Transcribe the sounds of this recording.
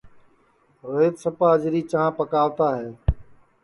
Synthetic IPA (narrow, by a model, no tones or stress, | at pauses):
ɾoɦeːt̪səpaːd͡ʒɾiːt͡ʃaãːpəkaːʋt̪aːɦeː